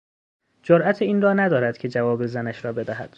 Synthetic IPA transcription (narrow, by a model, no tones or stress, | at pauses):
d͡ʒoɾʔæt̪ʰeiːnrɒːnæd̪ɒːɾæd̪̥cʰe̞d͡ʒævɒːbezænæʃɾɒːbe̞d̪æɦæ̰d̪̥